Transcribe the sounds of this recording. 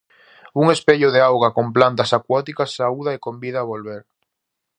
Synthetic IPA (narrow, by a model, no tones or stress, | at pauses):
uŋespeʎʊðeawɣakomplant̪ɐsakwɔt̪ikɐsːauðaekombiðaːβolβeɾ